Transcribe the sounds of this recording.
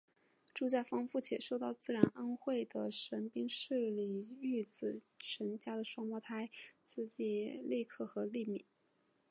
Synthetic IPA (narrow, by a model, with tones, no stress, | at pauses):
ʈ͡ʂu˥˧t͡ɕja˥˩fɑ˥ŋfu˥˩t͡ɕʰjɛ˨˩ʂo˥˧ʊt̪ɑ˥˧ʊt͡sɹ̩˥˩ɻa˧˥nə˥nxwe˥˩ɪd̪ə˩ʂə˧˥npi˥ŋʂɻ̩˥˩li˨˩y˥˩t͡sɹ̩˨˩ | ʈ͡ʂʰə˧˥nt͡ɕja˥d̪ə˨ʂwɑ˥ŋmwɔ˥t̪ʰa˥ɪt͡sɹ̩˥˧t̪i˥˧li˥˧kʰɤ˥˩xɤ˧˥li˥˩mi˨˩˦